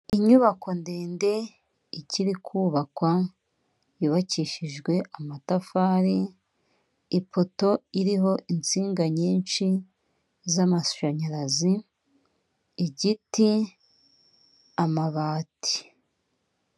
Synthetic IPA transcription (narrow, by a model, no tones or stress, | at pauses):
iɲuβako̞ndeːnde̞ | iciɾikʰuːβakwa | juβaciːʃiʒɡwe̞ʔamatafaːɾi | ipo̞to̞iɾiɦo̞ʔint͡siːŋɡaɲiːnt͡ʃi | zamasu̥ʃaɲaɾazi | ɟiti | amaβaːti̥